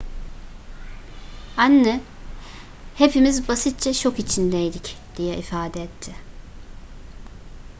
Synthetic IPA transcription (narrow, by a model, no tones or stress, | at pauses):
anːɛ | hepʰimizbasit̪̚t͡ʃʰat͡ʃʰo̞kit͡ʃʰind̪ɛjd̪icd̪̥ijɛifaːd̪ɛɛt̪ʰːɪ